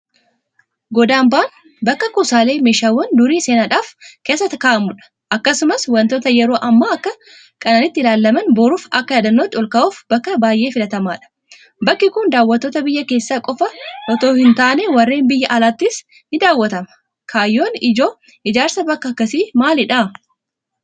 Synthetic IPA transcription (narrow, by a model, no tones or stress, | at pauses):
ɡɔd̪aːmbaːn | bɐkːɐkuːsaːle̞ːmeːʃaːwːɐnd̪ʊɾiːseːnaᶑaːfke̞ːsːɐt̪ɐkaːʔɐmʊᶑɐ̥ | ʔɐkːɐsʊmɐswɐnt̪oːt̪ɐjɛɾo̞ːʔɐmːaːɐkːɐ | kʼɐnɐnɪt̪ːɪlaːlːɐmɐnboːɾuːfɐkːɐjɐd̪ɐnːoːt̪ːɪɔlkɐuːfb̥ɐkːɐbaːjʔe̞ːfɪlɐt̪ɐmaːᶑɐ̥ | bɐkːɪkʊnd̪aːwːɐt̪ːoːt̪ɐbɪjːɐke̞ːsːaːkʼɔfɐʔɔt̪o̞ːhɪnt̪aːnɛwɐrːeːnbɪjːɐʔɐlaːt̪ːɪs | nɪd̪aːwːɐt̪ɐmɐ̥ | kʰaːjːo̞ːnɪd͡ʒo̞ː | ʔɪd͡ʒaːɾsɐbɐkːɐkːɐsiːmaːlɪᶑa